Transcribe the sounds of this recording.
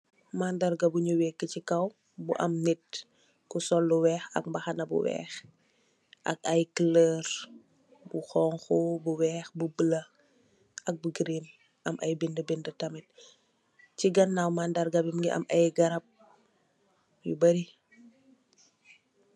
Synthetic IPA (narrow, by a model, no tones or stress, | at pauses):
mandarɡɐbuɲuwɛkːəcikɐw | bṵʔɐ̰mnit̚ | kusɔlːuwɛːxɐ̰k̚mbɐxɐnɐbṵwɛ̰ːx | ʔɐ̰k̚ɐjklər | buxɔːŋxubuwɛːxbubəlɐ | ʔɐk̚buɡɾim | ʔɐmʔɐ̰jbindəbindətɐmit̚ | ciɡɐnːawmandɐɾɡɐbimŋɡiɐ̰mʔɐjɡɐɾɐp̚ | jubɐɾi